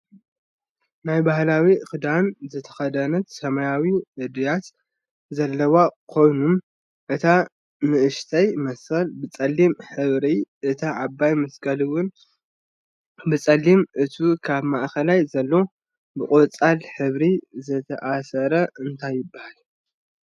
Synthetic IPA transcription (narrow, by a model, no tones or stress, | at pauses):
najbahlawixɨd̪anzɨt̪ʰɐ̥xɐd̪ɐnɐt̪sɐmajawiʔɨd̪jat̪ | zɐlːɐwakʰo̞jnum | ʔɨt̪ʰa | nɨʔɨʃt̪ʰɐjmɐsɐlbɨt͡sʼɐlːimħɨβɾiʔɨt̪ʰaʕabːajmɐskʰɐlɨwʊn | bɨt͡sʼɐlːimʔɨt̪ʰukʰaβmaʔkɐlajzɐlːo̞ | bɨkʼot͡sʼalħɨβɾizɨt̪ʰɐ̰ʔasɐɾɐɨnt̪ʰajːɨbahal